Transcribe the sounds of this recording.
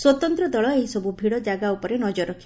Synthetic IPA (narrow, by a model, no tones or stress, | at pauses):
swɔt̪ɔnt̪ɾɔd̪ɔɭɔeɦisɔbʱubʱiɽɔd͡ʒaɡaupɔɾenɔd͡ʒɔɾɔkʰi